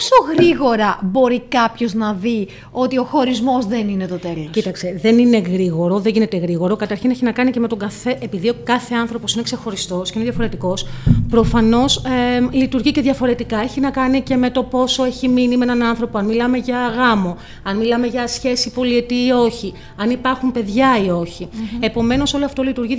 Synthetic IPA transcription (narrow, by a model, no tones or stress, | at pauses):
soɣɾiɣo̞ɾɐbo̞ɾikɐpço̞znɐði | o̞t̪io̞xo̞ɾizmo̞zðe̞ninet̪ot̪e̞loscit̪ɐkse̞ðe̞nine̞ɣɾiɣo̞ɾo̞ðeʝinet̪e̞ɣɾiɣo̞ɾo̞kɐt̪ɐɾçineçinɐkɐnicemet̪o̞ɡɐfe̞ʔepiðiokɐθe̞ɐnθɾo̞posine̞kse̞xo̞ɾist̪o̞sceineðjɐfo̞ɾe̞t̪iko̞spɾo̞fɐno̞slit̪uɾʝice̞ðʝɐfo̞ɾe̞t̪ikɐeçinɐkɐnice̞me̞t̪o̞po̞so̞e̞çiminimeenɐnɐnθɾo̞poɐnmilɐme̞ʝɐɣɐmo̞ | ɐnmilɐme̞ʝɐsçe̞sipo̞lie̞t̪iːo̞çi | ɐnipɐɾxumpe̞ðʝɐio̞çiepo̞me̞no̞so̞loɐft̪o̞lit̪uɾʝi